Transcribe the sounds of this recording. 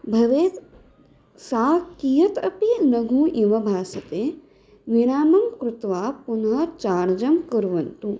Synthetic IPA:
bʱɐʋeːt̪ | saːkijɐt̪ɐpinɐɡʱũːʔiʋɐbʱaːsɐt̪eː | ʋinaːmɐmkɾut̪ʋaːpunɦɐt͡ʃaːɾd͡ʒɐmkɐɾʋɐnt̪u

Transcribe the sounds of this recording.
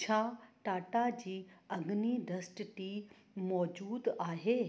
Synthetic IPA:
t͡ɕʰaːʈaːʈad͡ʑiːɐɡniɖɐsʈʈiː | mɔːd͡ʑuːd̪aːɦeː

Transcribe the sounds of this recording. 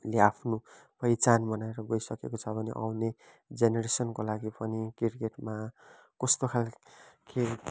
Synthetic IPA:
leapʰno | pʌjt͡sanbʌnaeɾʌɡʌjsʌkekot͡sʰʌbʱʌnḛʔa̰wne | d͡zeneɾesʌnkolaɡipʌnikirkeʈma | kʌst̪okʰalkʰe

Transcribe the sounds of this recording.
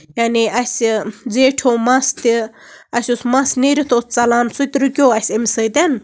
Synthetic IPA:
janiɐsʲd͡zeʈʰomɐst̪i | ɐsʲusmɐsniɾit̪ʰost͡sɐlaːnsʰut̪ɾɨkʲoːɐsʲemʲsəjt̪en

